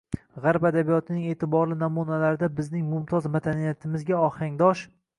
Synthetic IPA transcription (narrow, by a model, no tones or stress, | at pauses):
ʁaɾpad̪abijɒt̪ʰɪnɪŋe̞ːt̪ʰɪbɒɾlɪnɒmunalaɾɪd̪abɪznɪŋmʊmt̪ʰɒzmad̪anijat̪ʰɪmɪzɡʲaɒhaŋd̪ɒʃ